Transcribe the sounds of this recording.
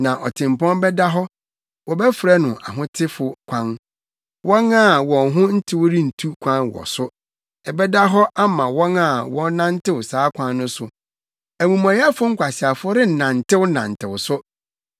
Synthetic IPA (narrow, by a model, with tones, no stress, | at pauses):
nã˨ʔɔ˨tʰɪ̃˨m˨pɔ̃˦n˦bɛ˦da˦ɦɔ˦ | wɔ˨bɛ˦fɾɛ˦nʊ̃˨ʔa˨ɦʊ̃˦tʰɪ˦fʊ˨kʷʰã˦n | wʔɔ̃˦na˦˨wɔ̃˨ŋɦʊ̃˦n̩˦tʰɪ˦wɔ˦ɾi˦n̩˨tʰu˦kʷʰã˦nwɔ̰˨sʊ˦ | ɛ˨bɛ˦da˦ɦɔ˦a˦mã˨wɔ̃˦na˦˨wɔ̃˦nã˦n̩˦tʰɪ˦wʊ˨saː˦kʷʰã˦nːʊ̃˦sʊ˨ | æ˨mũ˨mã˨jɛ˦fʊ˦ŋ̩˦kʷʰa˨si˨a˨fʊ˦ɾɪ˦˨nã˨n˨tʰɪ˦wʊ˦nã̰˨n̩˨tʰɪ˨wʊ˨sʊ˦